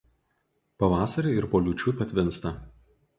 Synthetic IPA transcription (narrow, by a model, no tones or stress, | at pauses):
pɐʋɑːsɐɾʲeɪɾpoːlʲuːt͡ʃʲupʲɛt̪ʲʋʲɪnˑst̪ɐ